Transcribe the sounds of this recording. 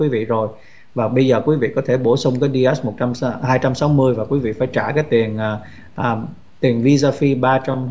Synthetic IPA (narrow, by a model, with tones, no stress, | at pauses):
wi˨˦vḭ˧˨zo˨˩j | vaː˨˩ɓə˧jzəː˨˩kwi˨˦vḭ˧˨kɔ˨˦t̪ʰe˧˩ɓo˧˩sʊ˧wŋ͡mkaː˨˦jɗi˧ʔɛ˦˥smo˨˩t̚t͡ɕa˧m˧hɦaː˧jt͡ɕa˧msa˨˦wmɨ˧əjvaː˨˩kwi˨˦vḭ˧˨faː˧˩jt͡ɕaː˧˩kaː˨˦jt̪i˨˩ənʔaː˨˩ | ʔaː˨˩ | t̪i˨˩əŋvi˧zaː˧fi˧ɓaː˧t͡ɕa˧m